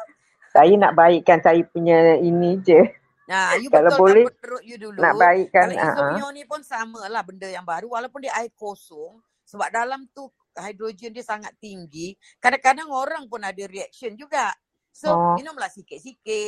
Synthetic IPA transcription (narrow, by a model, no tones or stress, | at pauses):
sajana̰ʔbaɪʔkansajapuɲainĩd͡ʒə | najubkəalabolɛət̪əɾʊʔ̚judulnaʔbaɪʔkːana̰ʔãɲonĩpʊnsamalahbəndəjaŋbaɾuwalawpʊndiəaɪkosɔŋ | səbap̚dalamt̪u | hajdɾod͡ʒiəndiəsaŋat̪ːiŋɡi | kadakadaŋoɾaŋpʊnadaɾiɛk̚siənd͡ʒuɡaʔ | soɔminʊmlahsikɪt̪̚sikɪt̪̚